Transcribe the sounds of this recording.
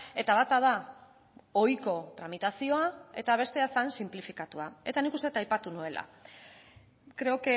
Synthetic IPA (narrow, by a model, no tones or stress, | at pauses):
e̞t̪aβat̪að̞a | ojko̞t̪ɾamit̪asio̞ae̞t̪aβ̞e̞st̪e̞asansimplifikat̪uae̞t̪anikust̪e̞t̪ajpat̪unue̞lʔa̰ | kɾe̞ok